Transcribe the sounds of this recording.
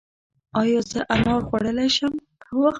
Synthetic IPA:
ɑjɑzəʔanɑɾxwaɽəlajʃəmkəwax

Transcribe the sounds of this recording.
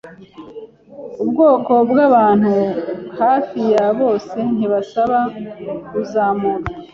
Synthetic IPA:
ubɡo̞ːko̞bɡaβaːn̥huhaːfijaβo̞ːse̞n̥iβasaβakuzaːmona

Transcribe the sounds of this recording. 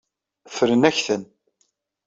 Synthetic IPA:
fɾənæçθən

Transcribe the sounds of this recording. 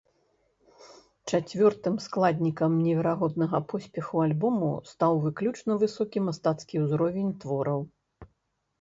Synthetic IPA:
t͡ʂat͡sʲvʲɔrt̪ɨmsklˠad̪ʲnʲikɐmnʲɛvʲɛɾaɣɔd̪̚nɐɣɐpɔsʲpʲɛxualʲbɔmṵst̪awvɨklʲut͡ʂnɐvɨsɔkʲimast̪at̪skʲiwzɾɔvʲɛnʲt̪vɔɾɐw

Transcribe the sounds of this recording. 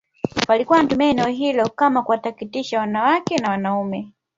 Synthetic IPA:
palikuwantumiɛnɛɔɦilɔkamakuwatakitiʃawanawakɛnawanaumɛ

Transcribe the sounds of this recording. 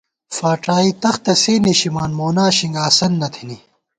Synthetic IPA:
faːʈaːit̪ɐxt̪ɐseːneɕimaːnmoːnaːɕiŋɡaːsɐnːɐt̪ʰini

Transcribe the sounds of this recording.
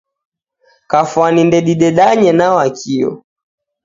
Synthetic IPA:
kafwanindɛɗiɗɛɗaɲɛnawakʰiɔ̰

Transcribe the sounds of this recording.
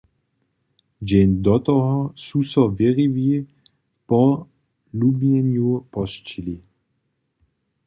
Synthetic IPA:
d͡ʒɛnd̪ɔt̪ɔɦɔsusɔveʁivi | pɔ̃ | lubɲɛnupɔst͡ʃili

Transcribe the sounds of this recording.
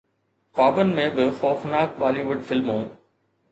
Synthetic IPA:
paːbənmẽbɪxɔːfnaːk̚baːliʋʊɖfɪlmɦũː

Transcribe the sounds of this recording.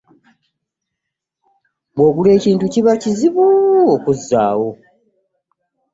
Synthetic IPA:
bwo̞ːβule̞ːciːntuciβaciziβuokuzːa̰ːwo̞

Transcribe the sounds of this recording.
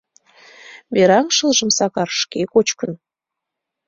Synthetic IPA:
βeɾɑŋʃɤlʒə̆msɑkɑrʃkekot͡ɕkən

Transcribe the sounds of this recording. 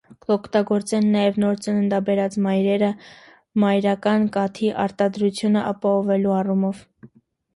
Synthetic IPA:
ɔkʰt̪ɑɡɔɾt͡sɛnːɑjɛvnɔɾt͡sənənd̪ɑbɛɾɑt͡smɑjɾɛɾə | mɑjɾɑkɑnkɑt̪ʰiʔɑ̰ɾt̪ɑd̪ɾut͡sʰjunəʔɑpɑhɔvɛluɑrumɔv

